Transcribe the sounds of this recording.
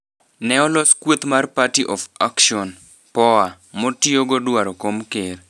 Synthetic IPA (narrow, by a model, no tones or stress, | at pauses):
nɛɔlɔskwot̪marpatiʔɔfakʃɔn | pɔa | motioɡodwaɾɔkomkeɾ